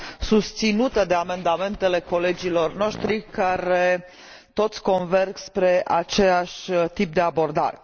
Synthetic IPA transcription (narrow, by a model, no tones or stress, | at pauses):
sust̪sinut̪əd̪e̞ame̞nd̪ame̞nt̪e̞le̞ko̞le̞d͡ʒilo̞rno̞ʃt̪ɾikaɾe̞ | t̪o̞t̪sʲko̞nverɡspɾe̞ʔat͡ʃe̞aʃʲt̪ip̚d̪e̞abo̞rd̪a̰ɾe